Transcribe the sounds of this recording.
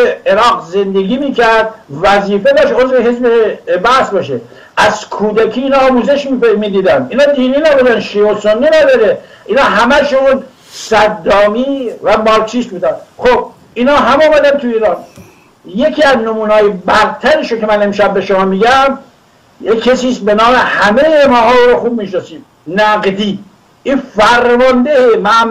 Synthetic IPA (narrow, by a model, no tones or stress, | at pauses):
eeɾɒːɡze̞nd̪eɡiːmiːcʰæɾd̪̚væziːfe̞bɒːʃeozveɦezbebæhsbɒːʃe | ʔæz̥kʰuːd̪ækʰiːnɒːmuːze̞ʃmmiːd̪iːd̪ænd̪iːnɒːd̪iːniːnæbud̪ænʃiːosonːinæd̪ɒːɾe | ʔiːnɒːɦæmæʃun | sæd̪ːɒːmiːvæmɒːɾt͡ʃʰist̪̚buːd̪ænd̪xob̥̚ | iːnhɒːɦæmɔːmæd̪ænt̪ʰuiːɾɒːn | je̞kʰiːæznomuːnɒːjebæɾt̪ʰæɾiʃokʲʰemæne̞mʃæbːe̞ʃomɒːmiːɟæm | jekʰːesiːsbe̞nɒːmehæmejemɒːɦɒːuːɾɔxuːb̚miːʃnɑsiːm | næɡd̪iː | ʔiːfæɾmɒnd̪ehemæm